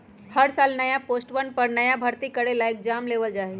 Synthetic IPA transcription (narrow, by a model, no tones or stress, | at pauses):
həɽsaːlnəjapoːsʈʋənpəɾnɐjabʱəɾt̪ikəɽelaeːk̚d͡ʒaːmleːʋəld͡ʒaɦe